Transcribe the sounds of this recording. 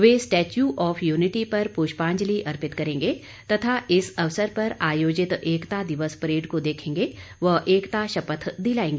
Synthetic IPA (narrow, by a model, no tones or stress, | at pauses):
ʋeːsʈɛːt͡ʃjuʔɔːfʰjuːnɪʈipɐɾpuːʃpãːɲd͡ʒliʔɐɾpɪt̪kɐɾẽːŋɡeː | t̪ɐt̪ʰaɪsɐʋsəɾpɐɾaːjoːd͡ʒɪt̪eːkt̪ad̪ɪʋəspɾeːɖkod̪eːkʰẽːŋ̆ɡeʋɐɦeːkt̪aʃɐpət̪ʰd̪ilaːẽːŋɡeː